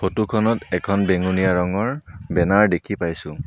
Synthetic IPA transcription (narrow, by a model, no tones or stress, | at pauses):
pʰotukʰɔnɔtɛkʰɔnbeŋunijaɹɔŋɔɹbɛnaɹdekʰipajsʊ̃